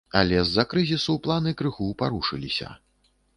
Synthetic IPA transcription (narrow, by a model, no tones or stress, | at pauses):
a̰lʲɛzːɐkɾɨzʲisuplˠanɨkɾɨɣupaɾuʂɨlʲisʲɐ̰